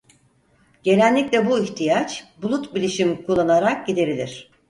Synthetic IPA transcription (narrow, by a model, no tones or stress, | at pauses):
ɟ̥e̞nænlːʲiclʲɛbuiçt̪ʰijat͡ʃbulˠut̪bilʲiʃimkʰulˠːanaɾak̚ɟid̪e̞ɾilʲiɾ̝̥